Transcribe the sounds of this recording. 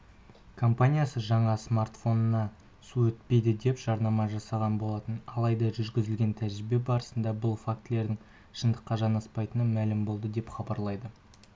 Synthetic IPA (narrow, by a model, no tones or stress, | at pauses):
kʰo̞mpanʲijasəʒɑɴɑsmart̪fo̞nənɑ | suɵt̪̚pe̞jd̪ɪd̪e̞pʒ̥ɑɾnɑmɑʒɑsɑʁɑnbo̞lˠɑt̪ənɑlˠɑjd̪ɑʒʏɾɡʲɪzɪlɡʲe̞nt̪ʰæʒɾɪbe̞bɑɾəsənd̪ɑbʊlˠfakt̪ɪle̞ɾd̪ɪŋ | ʃənd̪əqːɑʒɑnɑspɑjt̪ənɑmælɪmbo̞lˠd̪əd̪e̞pχɑbɑɾlˠɑjd̪ə